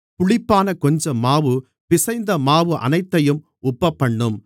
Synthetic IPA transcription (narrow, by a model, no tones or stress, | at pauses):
pʊɭɪpːaːnɐkɔɲd͡ʒɐmːaːʋɯ | ʋɪsɐɪnd̪ɐmaːʋɯʔɐ̰nɐɪt̪ːɐjɯm | ʊpːɐpːɐɳːɯm